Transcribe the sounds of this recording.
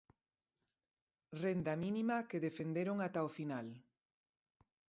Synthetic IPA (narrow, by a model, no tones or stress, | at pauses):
rend̪aminimɐkeðefend̪eɾoŋat̪aofinal